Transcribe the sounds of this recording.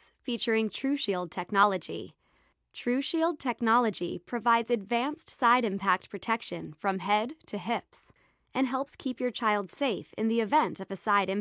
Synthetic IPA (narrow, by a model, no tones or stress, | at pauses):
fit͡ʃə˞ɪ̃ŋtʰɹ̥ʉʃilˠd̚tʰɛk̚nɑlˠəd͡ʒḭ | tʰɹ̥ʉʃilˠd̚tʰɛk̚nɑlˠəd͡ʒḭpʰɹ̥ɨvaɪdzɨdvæ̃nstsaɪɾɨ̃mpʰæk̚t̚pʰɹ̥ɨtʰɛkʃɨ̃nfɹʌ̃mɦɛd̚tʰɨɦɪps | ɨ̃nɦɛlˠpskʰipjə˞t͡ʃʰaɪlˠd̥seɪfɨ̰̃nðiɨvɛ̃ntʌvɨsaɪɾɨ̃m